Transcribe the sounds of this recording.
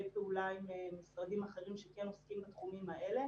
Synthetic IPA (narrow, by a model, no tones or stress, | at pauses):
peulaimemisʁad̪imaχe̞ʁimʃekeno̞skimbat̪χumimaele̞